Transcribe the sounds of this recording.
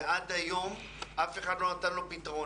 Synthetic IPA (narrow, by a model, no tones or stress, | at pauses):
ʔad̪ajom | afeχanoat̪alopit̪ʁo